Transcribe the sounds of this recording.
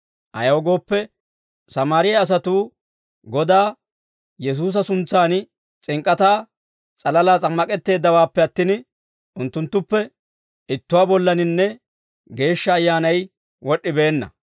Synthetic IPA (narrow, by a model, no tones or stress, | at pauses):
ʔɐ̰jɐɔɡo̞ːpːɛ | sɐmaːɾɪjɐɐs̬ɐt̪uː | ɡɔd̪aː | jɛs̬uːs̬ɐsʊnt͡sːaːn | t͡sʼɪŋkʼːɐt̪aː | t͡sʼɐlɐlaːt͡sʼɐmːɐkʼɛt̪ːe̞ːd̪ːɐwaːpːɛɐt̪ːɪn | ʔʊnt̪ːʊnt̪ːʊpːɛ | ɪt̪ːʊwaːbɔlːɐnɪnːɛ | ɡe̞ːʃːɐːjːaːnɐj | wɔɗːɪbe̞ːnːɐ̰